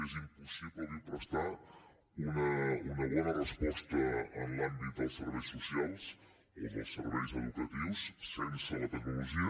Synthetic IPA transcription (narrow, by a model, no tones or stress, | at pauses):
ezimpusiβləðipɾost̪a | unəunəβɔnərəspɔst̪əənlambit̪̚d̪əlˠsəɾβɛjsusialˠs | ḭðə̰səɾβɛjzəðuk̪ət̪iwssensələt̪əknuluʒio